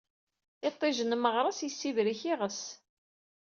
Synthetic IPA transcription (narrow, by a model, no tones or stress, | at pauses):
ɪt̪ˤːɪʒənməʁɾˤɑsjəsːivɾiçiʁəs